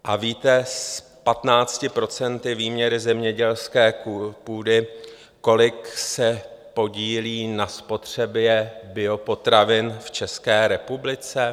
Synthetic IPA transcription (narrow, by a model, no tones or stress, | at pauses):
ʔaviːt̪ɛs | pat̪naːt͡scɪpɾo̞t͡sɛnt̪ɪviːmɲɛɾɪzɛmɲɛɟɛlskɛːpuːdɪ | ko̞lɪksɛpo̞ɟiːliːnaspo̞t̪r̝̥ɛbjɛbɪo̞po̞t̪ɾavɪnft͡ʃɛskɛːɾɛpublɪt͡sɛ